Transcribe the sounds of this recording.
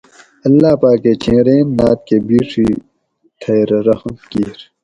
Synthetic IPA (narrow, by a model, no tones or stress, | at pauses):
ɐlːaːpaːkːeːt͡ɕẽːɾeːnːa̰ːt̪̚kebiːʂʰi | t̪ʰɐːɾɾɐhmkiːɾ